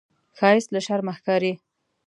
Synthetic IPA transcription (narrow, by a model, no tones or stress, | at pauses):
xɑjɪst̪laʃaɾməxkɑɾi